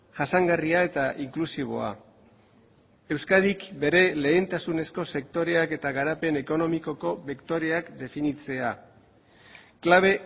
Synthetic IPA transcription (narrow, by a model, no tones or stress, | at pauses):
ʝasaŋɡariae̞t̪aʔiŋklusiβ̞o̞̰a̰ | e̞wskaðikbe̞ɾe̞le̞ːnt̪asune̞sko̞se̞k̚t̪o̞ɾe̞ake̞t̪aɣaɾape̞ne̞ko̞no̞miko̞ko̞βekt̪o̞ɾe̞akd̪e̞finit͡se̞a | klaβ̞e̞